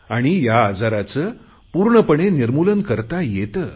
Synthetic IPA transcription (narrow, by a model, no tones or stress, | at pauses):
aɽ̃ijaːd͡zaɾat͡səː | puːɾɳəpəɳeniɾmulənkəɾt̪ajet̪əː